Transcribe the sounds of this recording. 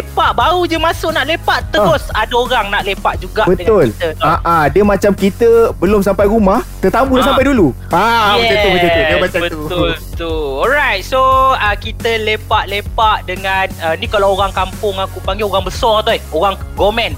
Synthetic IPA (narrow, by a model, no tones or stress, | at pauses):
lepaʔbaɾud͡ʒəmasʊʔnaʔlepaʔt̪əɾʊsadaoɾaŋnaʔlepaʔ̚d͡ʒuɡaʔbədəŋʊlt̪əaʔadiəmãt͡ʃamkit̪əbəloms̬ampajɾumaht̪ət̪amudas̬ampajdulu | aɛəbəəduəmat͡ʃabət̪uʊlt̪uɔɾajt̪̚soəkit̪əlepaʔlepaʔdəŋanənikalawoɾaŋkampʊŋakupaŋɡeoɾaŋbəsɔrt̪uioɾaŋɡomɛ̃n